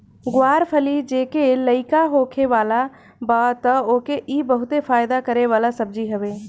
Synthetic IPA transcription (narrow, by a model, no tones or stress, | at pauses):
ɡwaːɾpʰəlid͡ʒeːkeləɪkaɦoːkʰeʋaːla | baːt̪əoːkeʔiːbəɦʊt̪efʰaːjd̪akəɾeʋaːlasəb̚d͡ʒiɦəʋeː